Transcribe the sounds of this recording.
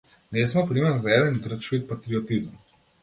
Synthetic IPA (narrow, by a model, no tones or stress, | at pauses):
nesmɔpɾiməɾnɔzaɛːd̪ənd̪ɾət͡ʃit̪̚pat̪ɾiɔt̪izm